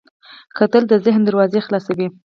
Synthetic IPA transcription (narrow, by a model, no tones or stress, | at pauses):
kat̪əld̪əzɪɦnd̪əɾwɑzexlɑsawi